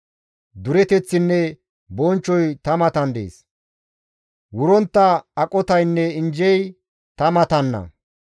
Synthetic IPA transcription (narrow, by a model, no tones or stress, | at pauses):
d̪ʊɾɛt̪ɛt͡sːɪnːɛ | bɔnt͡ʃːɔjt̪ɐmɐt̪ɐnd̪ḛːs | wʊɾɔnt̪ːɐːkʼɔt̪ɐjnːɛɪnd͡ʒɛj | t̪ɐmɐt̪ɐnːɐ̰